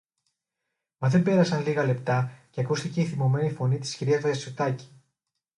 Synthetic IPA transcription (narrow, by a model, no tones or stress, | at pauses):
mɐzðe̞mbe̞ɾɐsɐnliɣɐle̞pt̪ɐceɐkust̪ice̞iθimo̞me̞nifo̞nit̪i̥sciɾiɐoɐsot̪ɐci̥